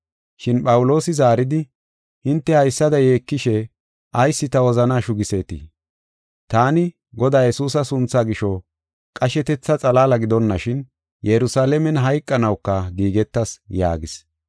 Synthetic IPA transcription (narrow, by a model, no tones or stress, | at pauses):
ʃɪnpɐwʊlo̞ːsɪzaːɾɪd̪ɪ | hɪnt̪ːɛhɐjsːɐd̪ɐje̞ːkːɪʃɛ | ʔɐjsːɪt̪ɐwɔzɐnaːʃʊɡɪse̞ːt̪ḭ | t̪aːnɪ | ɡɔd̪aːjɛsuːs̬ɐsʊnt͡sːaɡɪʃɔ | kʼɐʃɛt̪ɛt͡sːɐt͡sʼɐlaːlɐɡɪd̪ɔnːɐʃɪn | jɛɾʊsaːlɛmɛnɦɐjkʼːɐnɐwkːɐɡiːɡɛt̪ːɐsja̰ːɡɪs